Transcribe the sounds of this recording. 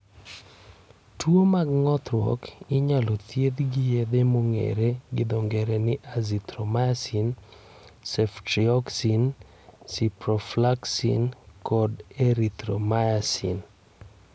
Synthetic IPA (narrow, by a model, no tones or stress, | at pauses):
twomaɡŋɔt̪ɾwɔ̰kɪɲalɔt̪jed̪ɡɪjed̪emoŋḛɾeɡɪd̪oŋɡeɾenɪʔazit̪ɾomajasin | sɛftɾiɔksin | sipɾɔflaksḭnkɔdeɾit̪ɾomajasḭn